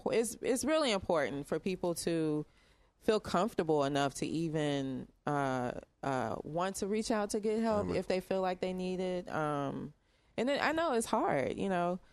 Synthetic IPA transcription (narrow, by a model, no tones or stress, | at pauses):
ɪtsɪtsɹɪlˠiɨ̃mpʰɔɹʔn̩tfə˞pʰipl̩ˠtʰɨ | filˠkʰʌ̃ɱftə˞bl̩ˠənʌftʰɨ̰ʔivɨ̃nʔʌʔʌ̰wɑ̃ntʰɨɹit͡ʃaʊtʰɨɡɛt̚ɦɛlˠpɪfðeɪfilaɪk̚ðeɪniɾɪd̚ʌ̃m | ʔɨ̃nɨʔa̰ɪnoʊɨtshɑɹd̥jɨ̰noʊ